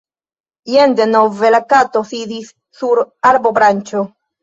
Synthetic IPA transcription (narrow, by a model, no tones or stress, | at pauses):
jend̪enovelakat̪osid̪isːuɾaɾbobɾant͡ʃo